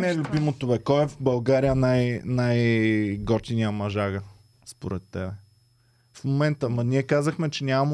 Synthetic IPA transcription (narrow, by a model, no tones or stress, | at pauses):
nɛɛlʲʊbimot̪oɛkɔɛvbɐlˠɡaɾijənajnajɡɔɾt̪iniəmɐʒaɡə | spoɾɛt̪ːɛbɛ | fmomɛnt̪əmɐniɛkazəxmɛt͡ʃɛnʲamɐm